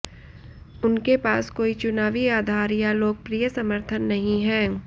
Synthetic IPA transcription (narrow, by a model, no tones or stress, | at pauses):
ʊnkepaːskoːit͡ʃʊnaːʋiaːd̪ʱaːɾjaloːɡ̚pɾiːjəsɐməɾt̪ʰənːɐɦĩɦɛ̃ː